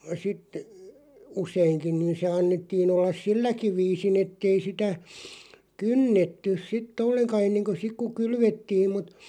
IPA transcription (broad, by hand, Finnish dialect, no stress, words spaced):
sit useiŋkin̆ niːn se ɑnːetːiːn olːɑs silːæki ʋiːsin etːei sitæ kynːetːys̆ sitː olːeŋkɑ enːeŋko sik ku kylʋetːiːm mut